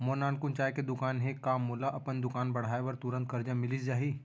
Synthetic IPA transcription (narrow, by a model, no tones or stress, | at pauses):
moːnaːnkʊnt͡ʃaːeked̪ʊkaːnɦekaːmːoːlaʔɐpənd̪ʊkaːnbɐɽ̤aːeʋɐɾt̪ʊɾə̃nt̪kɐɾd͡ʒãmɪlisd͡ʒaːɦiː